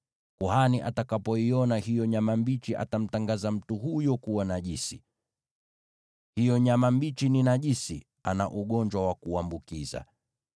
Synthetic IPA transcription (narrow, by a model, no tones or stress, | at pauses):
kuhaniʔa̰takapɔiɔnahijɔɲamambit͡ʃiʔa̰tam̩taŋɡazam̩tuhujɔkuwanaʄisi | hijɔɲamambit͡ʃininaʄisi | anaʔuɠɔɲd͡ʒwawakuambukiza̰